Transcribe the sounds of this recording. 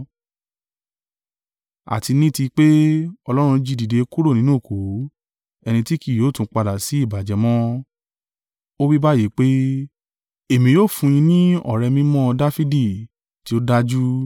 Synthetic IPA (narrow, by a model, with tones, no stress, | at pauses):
a̰˨ti˧nĩ˦˨ti˧k͡pe˦ɔ˧lɔ˦ɾ̃ũ˧d͡ʒi˧di˨de˧ku˦ɾo˦˨nĩ˦nũ˦˨ko˨˦ | ɛ˧nĩ˧ti˦ki˦˨joː˨˦tũ˨˦k͡pa˧da˨si˨˦i˦˨ba˨d͡ʒɛ˨mɔ̃˦ | o˦wi˦ba˦˨je˨˦k͡pe˦ | e˦˨mĩ˨joː˦˨fũ˧j̃ĩ˧nĩ˦ɔ̰˦˨ɾɛ˧mĩ˦mɔ̃˦˧da˦fi˦di˦˨ | ti˨˦o˦da˦d͡ʒu˦